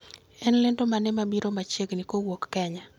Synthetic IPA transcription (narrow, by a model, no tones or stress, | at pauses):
ɛnlɪndomanɛmabiɾomat͡ʃeɡnikowokːɛɲa